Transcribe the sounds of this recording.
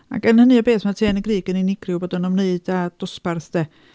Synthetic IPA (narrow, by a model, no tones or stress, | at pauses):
a̰kənhənɨɔbeːθmatʰeːnəɡriːɡəninɪɡrjʊboːdənɔmneɨd̥ad̥ʊsparθd̥eː